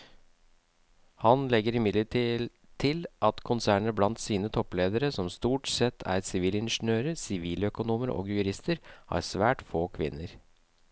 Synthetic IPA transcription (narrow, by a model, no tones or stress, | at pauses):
hɑnlɛɡəɾɪmɪd̪lə | t̪ʰɪlʔɑt̪kʰʊnsæːɳəɾblɑnt̪siːnət̪ʰɔpleːd̪əɾəsɔmst̪uːʈsɛt̪ʰːæ̰ɾsɪʋiːlɪnʂn̩øːɾəsɪʋiːlœkʊnuːməɾɔ̰ːɡjʉɾɪst̪əɾhɑ̰ːɾsʋæːʈfoːkʰʋɪ̰nːəɾ